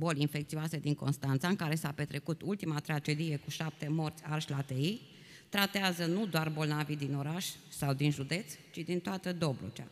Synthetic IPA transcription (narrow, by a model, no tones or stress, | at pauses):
bo̞linfe̞kt̪sioased̪iŋko̞nst̪ant̪saɨŋkaɾe̞sape̞t̪ɾe̞kut̪ult̪imat̪ɾad͡ʒe̞d̪ije̞kuʃap̚t̪e̞mo̞rt̪sʲarʃʲlat̪ei | t̪ɾat̪eazənud̪oarbo̞lnavid̪ino̞ɾaʃʲsawd̪inʒud̪e̞t̪st͡ʃid̪int̪oat̪əd̪o̞blo̰t͡ʃa̰